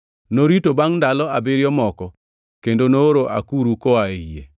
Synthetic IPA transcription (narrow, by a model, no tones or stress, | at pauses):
noɾitobaŋndalɔabɪɾjɔmɔkɔ | kendonooɾoʔa̰kuɾukoaeijḛ